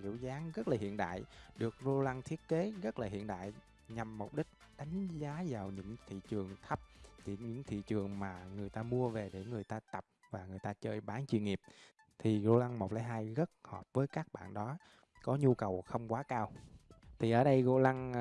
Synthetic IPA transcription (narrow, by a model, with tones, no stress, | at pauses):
zḭ˧˩əwzaː˨˦ŋɣə˦˥t̚laː˨˩hḭ˧˨ənɗa̰ː˧˨jɗɨ˨˩ək̚zo˧la˧ŋt̪ʰi˦˥ət̚ke˨˦ɣə˦˥t̚laː˨˩ɦḭ˧˨ənɗa̰ː˧˨j | ɲa˨˩mːu˨˩k͡p̚ɗï˦˥k̟̚ | ɗa˨˦jŋ̟zaː˨˦zaː˨˩wɲɨ̰˧˥ŋt̪ʰḭ˧˨t͡ɕɨ˨˩əŋt̪ʰə˦˥p̚ɗe˧˩ɲɨ̰˧˥ŋt̪ʰḭ˧˨t͡ɕɨ˨˩əŋmaː˨˩ŋɨ˨˩əjt̪aː˧mu˧əve˨˩ɗe˧˩ŋɨ˨˩əjt̪aː˧t̪ə˨˩p̚vaː˨˩ŋɨ˨˩əjt̪aː˧t͡ɕəː˧jɓaː˨˦nt͡ɕwḭ˧˨ŋi˨˩əp̚ | t̪ʰi˨˩zo˧la˧ŋmo˨˩k͡p̚laː˨˦jɦaː˧jɣə˦˥t̚hɔ˨˩p̚vəː˨˦jkaː˦˥k̚ɓa̰ː˧˨nɗɔ˨˦ | kɔ˨˦ɲu˧kə˨˩wxə˧wŋ͡mkwaː˨˦kaː˧wt̪ʰi˨˩ʔəː˧˩ɗə˧jɣo̰˧la˧ŋ